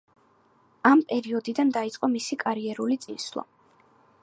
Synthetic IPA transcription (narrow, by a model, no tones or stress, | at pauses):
ampʼɛɾiɔd̪id̪and̪ait̪sʼqʼɔmisikʼaɾiɛɾulit̪sʼinslˠa̰